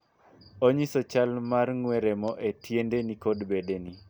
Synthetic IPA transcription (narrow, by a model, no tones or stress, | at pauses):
oɲisɔt͡ʃalmarŋwɛɾemɔʔetjendenikodbedeni